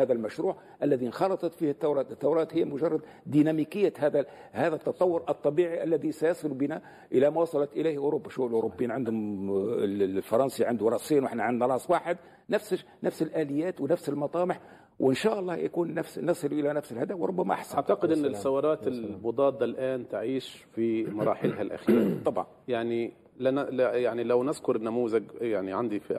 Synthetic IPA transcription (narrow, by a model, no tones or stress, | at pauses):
hæːðælmæʃɾuːʕ | ʔælːæðinxɑlɑt̪ˤɑt̪fihɪt̪ːawɾˤɑːt̪ɪt̪ːawɾˤɑːt̪hɪjːæmʊʒɑrˤːɑd̪ | d̪inæmikɪjːahæðæhæːðæt̪ːɑt̪ˤɑwːʊɾʔɑt̪ˤːɑbiːʕiʔælːæðisæjɑsˤɨlubinæ | ʔəlæmæwɑsˤɑlɑt̪ʔəlihʔʊɾubːaʃuʔlʔʊɾobːijiːnʕɪnd̪hʊm | fɑɾˤɑnsiʕɪnd̪wɾˤɑsˤiːnwʔaħnaʕɪnd̪næɾˤɑʔsˤwaːħəd̪ | næfs | næfsɪlʔæːlɪjːæːt̪wnæfsɪlmɑt̪ˤɑːmɪħ | wɪnʃaːʔɑlˤːɑːja̰kuːnːæfsnɑsˤɨlʔɪlænæfsɪlhad̪awɾˤʊbːæma̰ʔa̰ħsʔaaʕt̪aqɪd̪ʔɪnːɪsːɑwːɑɾˤɑːt̪ɪlmʊd̪ˤɑːd̪ˤːɑlʔaːnt̪ʕiːʃfimɑɾˤɑ̰ːħɪlɦalʔa̰xiːɾt̪ˤːɑbʕɑ̰njaʕni | lanljaʕnilawnɪzkʊɾˤɪnːæmuːzɪɡjaʕniʕand̪i